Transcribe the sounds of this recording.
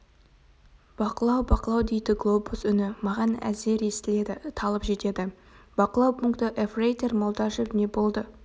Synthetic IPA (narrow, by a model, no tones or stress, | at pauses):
b̥ɑqəlˠɑwbɑqəlˠɑwd̪e̞jd̪ɪɡlˠo̞busʏnɪmɑʁɑnæ̰ze̞ɾest̪ɪle̞d̪ɪt̪ʰɑlˠəpʒe̞t̪e̞d̪ɪ | b̥ɑqəlˠɑwpʰuŋkt̪əʔefrejt̪e̞rmolˠd̪ɑʒəpne̞bo̞lˠd̪ə